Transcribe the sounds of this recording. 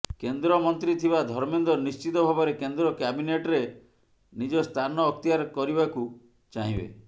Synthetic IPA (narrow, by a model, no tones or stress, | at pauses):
kend̪ɾɔmɔnt̪ɾit̪ʰibad̪ʱɔɾmind̪ɔnist͡ʃit̪ɔbʱabɔɾekend̪ɾɔkabineʈɔɾe | nid͡ʒɔst̪ʰanɔːk̚t̪ijaɾɔkɔɾibaku | t͡ʃaɦĩbḛ